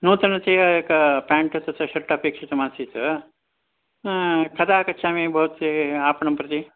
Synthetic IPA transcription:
nuːt̪ɐnɐt͡seːɐekɐpaːɳʈɐt͡sɐt͡sɐʃɐʈːɐpeːkʂɐt̪ɐmaːsit͡sɐ | kʰɐt̪aːkɐtːʃʰaːmeːbʱɐut̪eaːpɐɳɐmpɾɐt̪i

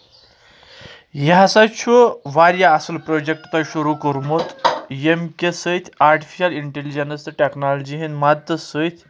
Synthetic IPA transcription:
jaɦasat͡ɕʰoʋaɾjaːsəlpɾod͡ʑek̚ʈt̪aɕuɾukəɾmot̪jemkʲesəit̪ʰʲaɾʈi̥fiɕaliɳʈelid͡ʑenəsʈeknalod͡ʑiɦenmad̪ʱəsəit̪ʲʰ

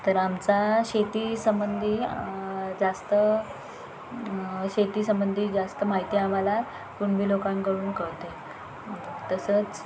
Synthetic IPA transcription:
t̪əɾamt͡saɕet̪iːsəmbənd̪ʱiː | d͡zast̪ə | ɕet̪iːsəmbənd̪ʱiːd͡zast̪əmaɦit̪iːam̤ala | kuɳʋiːlokãŋkəɾuːnkəɭt̪e | t̪əsət͡s

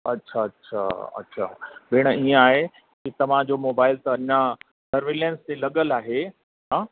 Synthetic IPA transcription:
ɐtːɕʰaɐtːɕʰa̰ːɐ̰tːɕʰa̰ːbeːɽ̃əiə̃aːɦe | kit̪ɐʋ̤ãd͡ʑomoːbaːɪlt̪ɐɐɲa | sɐɾʋeːlẽːnst̪elɐɠəlaːɦe | ɦãː

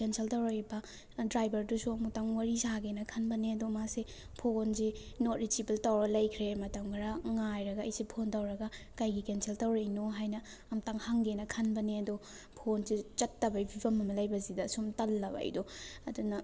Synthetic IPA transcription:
kensʰeltɐwɾajbɐ | dɾajbɐɾdusuɐmutaŋwɐɾizaɡenɐkʰɐnbɐneɐdomasi | pʰonzi | not̚ɾit͡ʃipeltawɾɐlɐjkʰɾemɐtɐmkʰaɾɐŋajɾɐɡɐɐjsipʰontɐwɾɐɡɐkajɡikensʰeltɐwɾejnoɦajnɐ | ɐmutaŋhaŋɡenɐkʰɐnbɐneɐdo | pʰonsit͡ʃɐtːɐbɐjbʱibɐmɐmɐlɐjbɐzidɐsumtɐlːɐbɐ̰ɐ̰jdoɐdunɐ

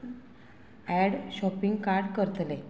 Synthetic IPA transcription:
æɽɕɔpiŋɡkaɾɖkəɾət̪le

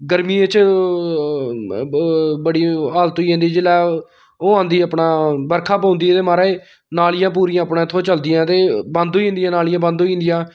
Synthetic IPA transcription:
ɡəɾmiːet͡ʃ | bəɽiːaːlt̪oiːɦẽːnd̪iːd͡ʒɪlɛː | oːãːnd̪iːəpɳaːbəɾkʰaːpaːʊ̃nd̪iːt̪eːmaːɾaːe | naːlɪjãːp̬uːɾijãːəpnãːt̪ʰoːt͡ʃəld̪ɪjãːt̪eːbə̃nd̪õːiĩnd̪ɪjãːnaːlɪjãːbə̃nd̪õːiɪ̃ːnd̪ɪjãː

